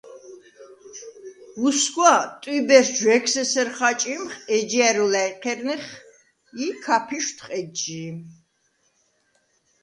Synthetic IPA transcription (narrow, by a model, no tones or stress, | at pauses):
usɡwat̪ʼwibɛɾd͡ʒwɛkʰsɛsɛɾχat͡ʃʼimχɛd͡ʒiæɾulajqʰɛɾniχ | ikʰapʰiʃt̪ʰχʼɛd͡ʒi